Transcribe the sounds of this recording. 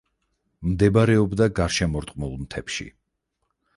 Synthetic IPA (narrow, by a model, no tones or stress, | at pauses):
md̪ɛbaɾɛɔbd̪aɡaɾʃɛmɔɾt̪ʼqʼmulˠmt̪ʰɛpʃḭ